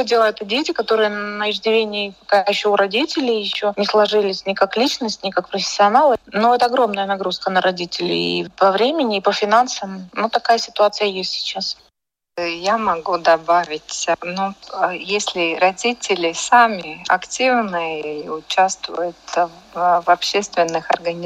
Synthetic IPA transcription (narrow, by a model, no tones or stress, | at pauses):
dʲelˠəɛt̪ədʲetʲɪkɐt̪o̞ɾɨjənəɪʐdʲɪvʲenʲɪkɐkajɪɕːoʊɾɐdʲitʲɪlʲɪjjɪɕːonʲɪslˠɐʐɨlʲɪsʲnʲɪkaklʲit͡ɕnəsʲtʲnʲɪkak̚pɾəfʲɪ̥sʲːɪɐnalˠənoɛt̪əɐɡɾo̞mnəjənɐɡɾuskənəɾʔɐdʲitʲɪlʲɪ̰ḭpɐvɾʲemʲɪnʲɪːpəfʲɪnansəmnot̪ɐkajəsʲɪ̥t̪ʊat̪sɨjəjesʲtʲsʲɪ̥t͡ɕas | jamɐɡud̪ɐbavʲɪtʲnujesʲlʲɪɾɐdʲitʲɪlʲɪsamʲɪɐ̰ktʲivnɨjʊt͡ɕast̪vʊ̰jʊt̪ | vɐpɕːest̪vʲɪnːɨxɐ̰rɡənʲ